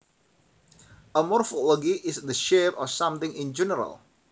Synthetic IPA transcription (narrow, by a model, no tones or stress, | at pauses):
ʔəmɔrfolɔɡiʔɪsd̪əʃevɔfsãmt̪ɪ̃ŋɪ̃nd͡ʒɛnəɾa̰l